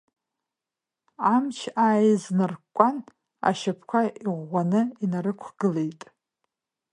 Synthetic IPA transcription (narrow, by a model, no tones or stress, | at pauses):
amt͡ʃʰaːjznɨrkʷʼan | a̰ʃapʰkʷʰaʔiʁʷːanɨinaɾɨkʷʰɡ̥ɨlejtʼ